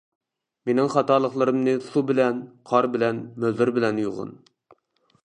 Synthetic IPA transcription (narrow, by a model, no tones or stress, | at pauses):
menɪŋχɑt̪ɑːlˠəχlˠɨɾɨmnɨsubɪlɛnqʰɑɾbɪlɛnmøzɪɾbɪlɛnjuʁʊ̰n